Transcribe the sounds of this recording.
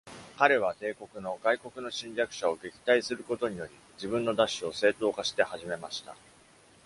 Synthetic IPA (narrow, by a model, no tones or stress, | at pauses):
kaɾe̞β̞at̪e̞ːko̞kɯ̟no̞ɡaiko̞kɯ̟no̞ɕĩɲʲɾʲakɯ̟̥ɕao̞ɡe̞kʲi̥t̪aisɨɾɯ̟ko̞t̪o̞ɲ̟ijo̞ɾʲi | d͡ʑibɯ̟̃nːo̞d̪aɕːio̞se̞ːt̪o̞ːkaɕi̥t̪e̞haʑime̞maɕi̥t̪a̰